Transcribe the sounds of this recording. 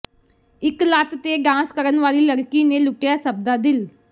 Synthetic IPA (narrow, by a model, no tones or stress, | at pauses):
ɪklaːt̪t̪eːɖãːskəɾənʋaːliːləɾkiːnẽːlʊʈjaːsəb̚d̪aːd̪ɪl